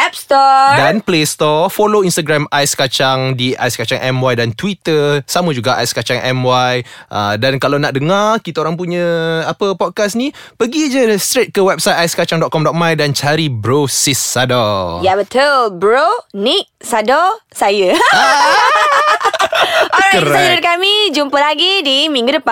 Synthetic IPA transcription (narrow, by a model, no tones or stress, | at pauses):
ʔɛp̚st̪ɔdanplest̪ɔfoloinst̪aɡɾamajskat͡ʃaŋdia̰jskat͡ʃaŋʔɛmwajdant̪wit̪əsaməd͡ʒuɡaʔa̰jskat͡ʃaŋʔɛ̰mwajʔə̰dankalawnaʔ̚dəŋarkit̪aoɾaŋp̬uɲə̃apəpɔt̚kasnĩ | pəɡid͡ʒəst̪ɾet̪̚kəwɛp̚sajt̪ajskat͡ʃaŋdɔʔ̪̚kɔmdɔʔ̚majdant͡ʃaɾibɾosisːadɔjabət̪əlbɾoniʔ | sadɔsajə | kəɾsaɾʊt̪̚kamid͡ʒumpəlaɡidimĩŋɡudəpa